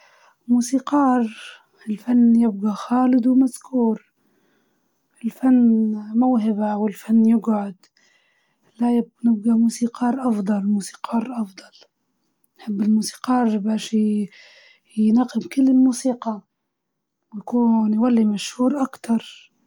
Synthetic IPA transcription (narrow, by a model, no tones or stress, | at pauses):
muːsiːqɑːɾ | ɪlfanːjɪb̚ɡaxaːlɪd̪wmazkuːɾ | ɪlfanːmawɦɪbawɪlfanːjɪɡʕʊd̪ | lajnɪb̚ɡamuːsiːqʰɑːɾˤʔɑfd̪ˤɑlmuːsi̥ːqʰɑːɾˤʔɑfd̪ˤɑl | nħɪbːɪlmuːsi̥ːqɑːɾˤbaːʃi | jnaqɪmkɪlːɪlmuːsiːqɑ | wjakuːnjwalːimaʃhuːɾʔakt̪ɑɾˤ